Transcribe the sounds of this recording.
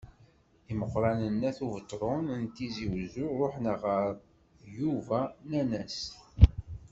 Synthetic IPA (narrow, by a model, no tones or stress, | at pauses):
iməqːɾˤɑnənːæθuvət̪ˤːɾˤʊnənt̪iziwzuɾˤoħnəʁəɾˤ | juvænænæs